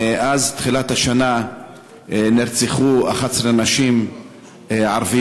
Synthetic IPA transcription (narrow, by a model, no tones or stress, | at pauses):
ʔazt̪χilat̪haʃana | niɾt͡siχua̰χat͡slenaʃim | ʕaɾvi